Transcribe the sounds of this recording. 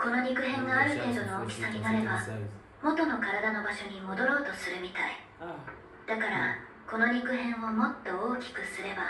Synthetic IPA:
ko̞no̞ɲʲikɯ̟ɦẽ̞ŋɡaːɾɯ̟t̪e̞ːd̪o̞no̞ːkʲi̥saɾʲinaɾe̞ba | mo̞t̪o̞no̞kaɾad̪ano̞baɕo̞ɲ̟imo̞d̪o̞ɾo̞ːt̪o̞sɨɾɯ̟mʲit̪ai | d̪̥akaɾa̰ | ko̞no̞ɲ̟ikɯ̟ɦẽ̞ɰ̃βomo̞t̪ːo̞oːkʲi̥kɯ̟sɨɾe̞ba

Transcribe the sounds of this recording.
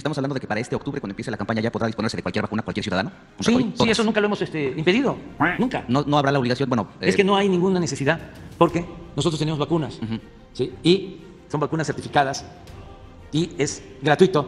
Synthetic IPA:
est̪amosaβlandoðekepaɾaest̪eokt̪uβɾekwand̪oepjeselakampaɲaʝapoðɾaðisponeɾseðekwalkjeɾβakunakwalkjesuðaðano | konsesoiesonũŋkalo̞emosest̪eimpe̞ðiðo̞nũŋkanono̞aβɾalaoliɣasjo̞nbwenoekeno̞ajnĩŋɡunanese̞siðaðpo̞ɾke̞nosot̪ɾot̪eneozβakunasm̩x̩ | sii | so̞mbakunasːe̞ɾt̪ifikaðas | ie̞sɡɾat̪wit̪o̞

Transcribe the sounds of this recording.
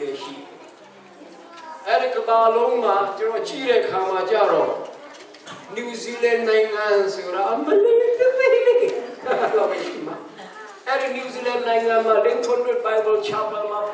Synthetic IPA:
eʃḭdɛ | ʔɛɾikət̪alõʊ̃mat͡ɕənɔʔt͡ɕḭɾɛʔəkʰamat͡ɕa̰ɾɔ | njuzilãnnãɪ̃ŋãnsoɾaʔəməlẽəpele | laʃḭma | ʔɛɾinjuzilãnnãɪ̃ŋɡãmalẽŋkʰʊ̃twɪpãɪ̃t̪õt͡ɕʰapãmã

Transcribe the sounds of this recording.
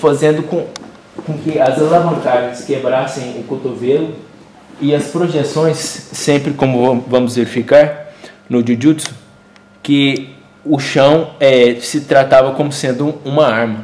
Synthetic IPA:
fazẽnd̪ʊkõ | kõkɪɐzalavɐ̃kaɾʒẽskebɾasẽj̃ʊkot̪ovelʊ | ɪɐspɾoʒesõj̃sːẽmpɾɪkõmʊvɐ̃mʊzveɾifikaɾnʊd͡ʒud͡ʒusʊ̥ | kɪ | ʊʃɐ̃w̃ɛsɪt̪ɾat̪avɐkõmʊsẽnd̪ʊũmɐaɾmɐ

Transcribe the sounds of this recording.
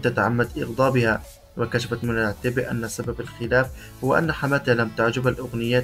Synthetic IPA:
t̪at̪aʕamːad̪ʔɪ̰ɣd̪ˤɑːbɪha | wɪkaʃafat̪mɪnʕt̪ɪbɪʔa̰nːasababalxɪlaːf | hʊwːaʔa̰nːaħamaːt̪ɪhalamt̪aʕd͡ʒabalʔʊɣnɪjːaː

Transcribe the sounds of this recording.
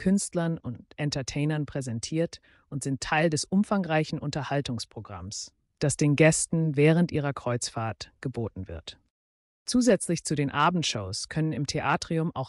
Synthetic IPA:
kʰʏnstlɐnʊntʔɛntɐtʰeɪnɐnpʁ̥ɛzɛntʰiːɐt | ʔʊntz̥ɪntʰːaɪldɛsʔʊmfaŋʁaɪçn̩ʔʊntɐhaltʊŋspʁ̥oɡʁa̰ms | d̥asd̥eːnɡɛstn̩vɛːʁ̞əntʔiːʁ̞ɐkʁ̥ɔʏt͡sfaːɐtɡ̥əboːtn̩vɪ̰ɐt | t͡suːzɛt͡slɪçt͡sudeːnʔaːbm̩tʃoʊskʰœnənɪmtʰeʔaːtʁ̥iʊmʔa̰ʊx

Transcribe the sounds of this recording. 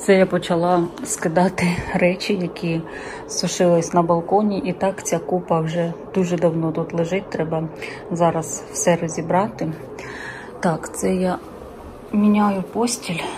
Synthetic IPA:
t̪sɛjapɔt͡ʃɐlˠɑskɪd̪ɑt̪ɪɾɛt͡ʃʲɪjɐkʲʰi | sʊʃɪlˠɪsʲnɐbɐlˠkɔnʲiʔit̪ɑkt͡sʲakupɐwʒɛd̪̥uʒɛd̪ɐwnɔt̪ut̪lˠɪʒɪt̚ʲt̪ɾɛbɐ | zɑɾɐsw̥sɛrɔzʲibɾɑt̪ɪ | t̪ɑkt̪sɛjɑ | mʲinʲajʊpɔsʲtʲilʲ

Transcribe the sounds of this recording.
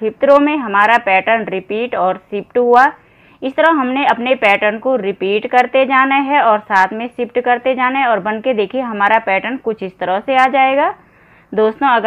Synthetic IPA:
ɪpt̪ɾõmẽɦɐmaːɾapɛːʈənɾɪpiːʈɔːɾsɪp̚ʈɦua | ɪst̪əɾəɦɐmneɐpnepɛːʈənkoɾɪpiːʈkɐɾt̪ed͡ʒaːnaɦɛɔːɾsaːt̪ʰmẽsɪp̚ʈkɐɾt̪ed͡ʒaːneɦɔːɾbɐ̃nked̪eːkʰieɦɐmaːɾapɛːʈənkʊt͡ʃʰɪst̪əɾəseaːd͡ʒaːeːɡaː | d̪oːst̪õɐɡ

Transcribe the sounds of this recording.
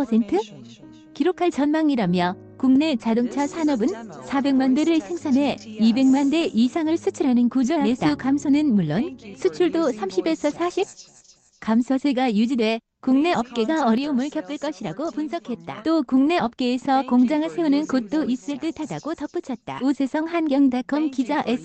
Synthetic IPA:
ʌsʰentʰɯ | kiɾokʰaɭt͡ɕʌnmaŋiɾamjʌ | kuŋne̞t͡ɕadoŋt͡ɕʰʌsʰanʌbɯnsʰabe̞ŋmandweɾɯɭsʰe̞ŋsʰanɦe̞ibe̞ŋmande̞ʔisʰaŋɯɭsʰut͡ɕʰɯɾɦanɯnkud͡ʑʌest͈aukamsʰonɯnmuɭːonsʰut͡ɕʰuɭdosʰamɕʰibe̞sʰʌsʰaɕʰip̚ | kamsʰʌsʰeɡajud͡ʑidwe̞ | kuŋne̞ʌp̚k͈e̞ɡaʌɾiumɯɭkjʌp͈ɯɭk͈ʌɕʰiɾaɡopunsʰʌkʰe̞t̚t͈a̰t͈okuŋne̞ʌp̚k͈e̞ːsʰʌkoŋd͡ʑaŋɯɭsʰe̞unɯnkot̚t͈oʔis͈ɯɭdɯtʰadaɡotʌp͈ut͡ɕʰʌt̚t͈a̰usʰe̞sʰʌŋhanɡjʌŋdakʰʌmkid͡ʑaʔesʰ

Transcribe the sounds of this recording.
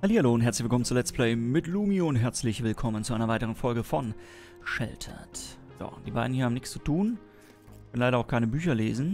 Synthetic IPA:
haliːhaloːʊntɦɛɐt͡slɪçv̥ɪlkɔmənt͡suɐlɛt͡sstplɛɪmɪtluːmiʊntɦɛɐt͡slɪçv̥ɪlkʰɔmənt͡suʔaɪnɐvaɪtəʁ̞ənfɔlɡəfɔn | ʃɛ̰ltʰɐ̰t | z̥o̰ːd̥iːbaɪdn̩iːɐaːmnɪkst͡sutʰuːn | ɛnlaɪɾɐaʊxkʰaɪnəbyːçɐlḛːzn̩

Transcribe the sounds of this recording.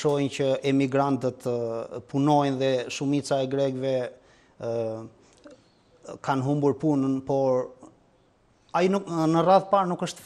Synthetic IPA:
ʃɔjncəʔɛmiɡɾant̪ət̪punɔjnðɛʃumit͡saɛɡɾɛɡvɛ | kanɦumbuɾpunənpɔɾ | ainunəraðpaɾnukəʃt̪

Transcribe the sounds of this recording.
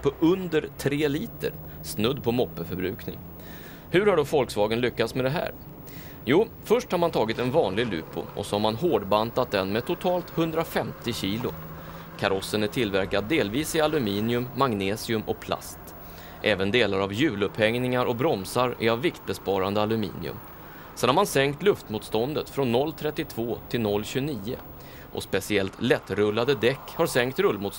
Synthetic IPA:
pʰɔʔɵnd̪əɾt̪ʰɾeːliːt̪ə̰ɾ | snɵd̪ːpʰɔmɔpːəfœɾbɾʉ̟ːknɪ̰ŋ | hɵ̟ɾhaɖɔfɔlksvɑːɡənlʏkːat̪smɛd̪ɛɦæ̰ːɾ | juː | fœʂʈhaɾmant̪ʰɑːɡɪt̪ɛnvɑːnlɪɡlʉ̟ːpʊ̰ɔ̰sɔhaɾmanɦoːɖbant̪at̪̚d̪ɛnmɛt̪ʰʊt̪ʰɑːlt̪hɵnd̪ɾafɛmt̪ɪɕiːlʊ̰ | kʰaɾɔsːənæʈʰɪlvæɾkad̪ːeːlviːsɪalɵmiːnɪɵmːaŋneːsɪɵmɔk̚pʰla̰st̪ | ʔɛːvənd̪eːlaɾavjʉ̟ːlɵphɛŋnɪŋaɾʔɔbɾɔmsaɾʔɪ̰avːɪkt̪̚bɛspɑːɾand̪əalɵmḭːnɪ̰ɵ̰m | sɛnhaɾmansɛŋkt̪lɵft̪muːt̪st̪ɔnd̪ət̪fɾɔnːɔlːt̪ʰɾɛt̪ːɪt̪ʰvoːt̪ʰɪlnɔlːɕʉniːə̰ | ʔɔ̰spɛsɪɛlt̪lɛt̪ːɾɵlːad̪əd̪ɛkːhaɾsɛŋkt̪ɾɵlːmuːt̪

